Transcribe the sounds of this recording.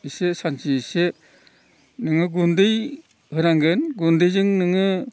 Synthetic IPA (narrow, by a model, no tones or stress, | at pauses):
isesansise | nɯŋɯɡundɯj | hɯɾaŋɡɯnɡundɯjzɯŋnɯŋɯ